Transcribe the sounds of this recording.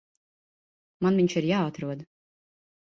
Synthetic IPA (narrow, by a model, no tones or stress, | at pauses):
manviɲt͡ʃiɾjaːat̪ɾuɔd̪